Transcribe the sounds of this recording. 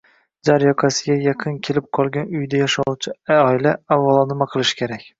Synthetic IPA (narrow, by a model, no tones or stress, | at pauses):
d͡ʒaɾjɒqʰasɪɡʲajɑqʰɨnkʲʰe̞lɪp̚qʰɒlˠɡʲanʊjd̪ajaʃawt͡ʃʰɪɒɪlaavːalˠɒnɪmaqʰɨlˠɪʃɪ̥kʲʰe̞ɾakʲ